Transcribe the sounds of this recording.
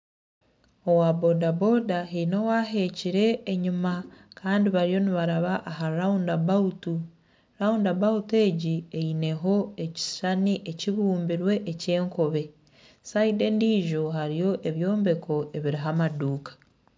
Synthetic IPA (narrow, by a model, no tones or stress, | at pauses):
o̞wabo̞dabo̞daheinowaɦe̞ːciɾe̞ːɲimakʰaːndiβaɾijo̞niβaɾaβaʔːɦaɾaundabautu | ɾaundabaute̞ːɟieine̞ɦo̞e̞ci̥ʃaniʔeciβuːmbiɾwe̞ʔːce̞ːŋko̞βe̞ | saide̞ndiːʒo̞ɦaɾijo̞ʔe̞βjo̞ːmbe̞kʰo̞ʔeβiɾiɦamaduːkḁ